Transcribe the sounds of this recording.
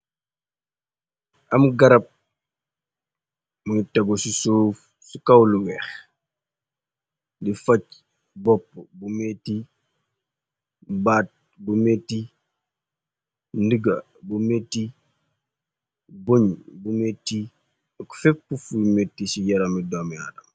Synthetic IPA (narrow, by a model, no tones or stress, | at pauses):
ʔɐmɡɐɾɐp̚ | muŋitɐɡosisoːf | sukɐwluwɛːx | difɐc | bɔpːbumɛtːi | bat̚ | bumetːi | ndəɡɐ | bumetːi | boɲbumetːi | kfɛpːufumetːisijɐɾɐmidɔmja̰ːdɐm